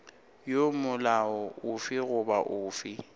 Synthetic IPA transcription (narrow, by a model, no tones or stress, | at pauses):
jomʊlaɔʊfɪɣʊbaʔʊːfɪ